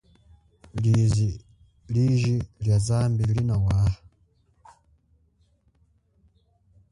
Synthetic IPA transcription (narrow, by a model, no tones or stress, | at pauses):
lizi | liʒiljazaːmbilinawaːha